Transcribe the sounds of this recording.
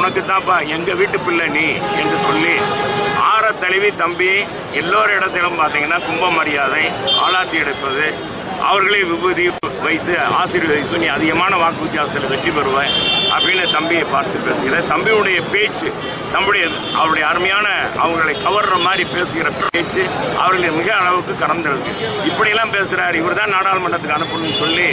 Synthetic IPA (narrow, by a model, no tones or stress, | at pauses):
ʊnɐkːɯt̪ːãːpːaːɛŋɡɐʋiːʈːɯpːɪlːɐniːɛndrɯsɔlːiaːɾɐt̪ːɐlɪʋit̪ɐmbi | ɛlːoːɾɐɪɽɐt̪ːɪlɐmpaːɾt̪iːŋɡɐnːaːkʊmbɐmɐɾɪjaːðɐ̃ɪa̰ːlaːt̪ːiɛɽɯpːɐðɯ | ʔɐ̰ʋɐɾɣɐɭeːʋɪʋɐðiʋɐɪt̪ːɯaːsɪɾiʋɐɪt̪ːɯniːɐðɪɣɐmaːnɐʋaːkːɯʋɪt̪ɪjaːsɐt̪ːɪlɐʋɛʈːiʋɐɾɯʋẽːʔɐ̰pːɐɽɪnːɯt̪ɐmbɪjɐɪpaːɾt̪ɯpeːsɯɣɪɾɐðt̪ɐmbɪɯɽɐjɐpeːt͡ʃːɯ | t̪ɐmbɪɽɐjɐ | ʔɐ̰ʋɐɾɯɽɐjɐːɾmɐjaːnɐɐ̰ʋɐŋɡɐɐɭɐɪkɐʋɐɾrɐmaːd̪ɾipeːsɯɣɪɾɐpɪeːt͡ʃːɯɐ̰ʋɐɾɣɐɭɪɐmɪɣɐːɭɐʋɯkːɯkɐɾɐnd̪ɐɽɯkːɯ̰ | ɪpːɐɽɪjɛlːãːpeːsɪɾaːɾɪʋɐɾt̪ãːnaːɽaːlɐmɐɳːɐt̪ːɯkːɐnɯpːɯnnsɔlːi